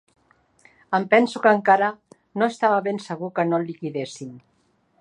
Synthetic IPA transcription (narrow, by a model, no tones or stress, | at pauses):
əmpɛnsukəŋkaɾə | noest̪aβəβensəɣ̞ukənolikiðesin